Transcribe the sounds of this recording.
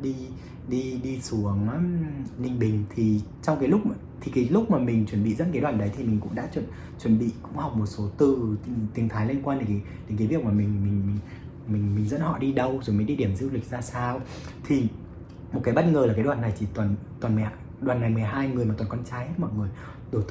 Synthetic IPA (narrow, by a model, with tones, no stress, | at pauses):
ɗi˧ | ɗi˧ɗi˧su˨˦əŋː˦nï˨˩ŋ̟ɓï˨˩ŋ̟t̪ʰi˨˩t͡ɕɔ˧wŋ͡mkaː˨˦lʊ˦˥k͡p̚ | t̪ʰi˨˩kaː˨˦jlʊ˦˥k͡p̚maː˨˩mï˨˩ŋ̟t͡ɕwə˧˩nɓḭ˧˨zə̰˧˥nkaː˨˦jɗwaː˨˩nɗə˨˦jt̪ʰi˨˩mï˨˩ŋ̟kʊ̰˧˥ŋ͡mɗa̰ː˧˥t͡ɕwə˧˨n | t͡ɕwə˨˧˩nɓḭ˧˨kʊ̰˧˥ŋ͡mha˨˩wk͡p̚mo˨˩t̚so˨˦t̪ɨ˨˩t̪t̪i˨˦ŋt̪ʰaː˨˦jli˧ənkwaː˧nɗe˨˦ŋka˨˦j | ɗe˨˦nka˨˦jvi˨˩ək̚maː˨˩mï˨˩ŋ̟mï˨˩ŋ̟m˨ŋ | mï˨˩ŋ̟mï˨˩ŋ̟zə̰˧˥nhɔ̰˧˨ɗi˧ɗə˧wzo˨˩jm˨˦ɗi˧ɗi˧˩əmzɨ̰˧˦wli˨˩k̚zaː˧saː˧w | t̪ʰi˨˩ | mo˨˩t̚kaː˨˦jɓə˦˥t̚ŋəː˨˩lːkaː˨˦jɗwaː˨˩na˨˩jt͡ɕi˧˩t̪waː˨˩nt̪waː˨˩nm˨˩a˧˨ | ɗwaː˨˩nːa˨˩jmɨ˨˩əjɦaː˧jŋɨ˨˩əjmaː˨˩waː˨˩kɔ˧nt͡ɕaː˧jhe˦˥t̚mɔ̰˧˨jŋɨ˨˩əj | ɗo˧˩t̪